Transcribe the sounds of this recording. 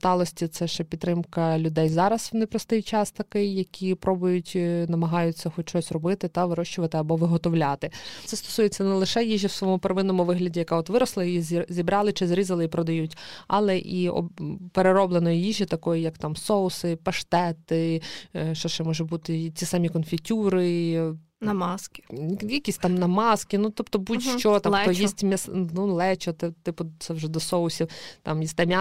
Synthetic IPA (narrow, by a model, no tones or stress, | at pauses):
st̪ɑlˠɔsʲtʲit̪sɛʃɛpʲit̪ːɾɪmkɐlʲʊd̪ɛjzɑɾɐsnɪpɾɔst̪ɪjt͡ʃɑst̪ɐkɪjːɐkʲipɾɔbʊjʊtʲnɐmɐɦɑjʊt͡sʲːɐxɔtt͡ʃɔsʲrɔbɪt̪ɪt̪ɐʋɪɾɔʃt͡ʃʊʋɐt̪ɪɐbɔʋɪɦɔt̪ɔwlʲɑt̪ɪt̪sɛst̪ɔ̥sujet͡sʲːɐnɛlˠɪʃɛjiʒiwsʋɔɔmʊpeɾɐʋɪnɔmʊʋɪɦlʲɐdʲijɐkɑɔt̪ʋɪɾɔslˠɐjijizzʲibɾɑlˠɪt͡ʃɪzɾʲizɐlˠɪipɾɔd̪ɐjutʲɐlˠɛʔiɔ̰peɾeɾɔblˠenɔjijiʒit̪ɐkɔjijɐkt̪ɑmsɔʊsɪpɐʃt̪ɛt̪ɪ | ʃt͡ʃɔʃt͡ʃɛmɔʒʊbut̪ɪt͡sʲisɑmʲikɔnfʲitʲuɾɪ | nɐmɑskɪ̥jɐkʲisʲtʲt̪ɑmnɐmɑskɪnut̪ɔpt̪ɔbutʲʃt͡ʃɔt̪ɐɔjjissʲtʲmʲɐsnulˠɛt͡ʃɔt̪ɛt̪ɪpʊt̪sɛwʒɛd̪ɔsɔʊsʲiwt̪ɑmjisʲt̪ɛmʲa